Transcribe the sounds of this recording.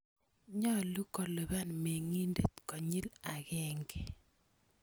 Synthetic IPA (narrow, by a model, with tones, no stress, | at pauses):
ɲɔ˦˨lu˦kɔ˨lo˨βa˦˨nme˨ŋi˦nde˦˨t̪kɔ˨ɲi˦la˨ɣɛ˦ŋɡe˨